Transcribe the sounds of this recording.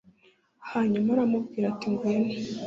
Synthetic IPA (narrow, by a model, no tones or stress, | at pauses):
haɲumaɾamubɡiːɾatiŋɡwene̥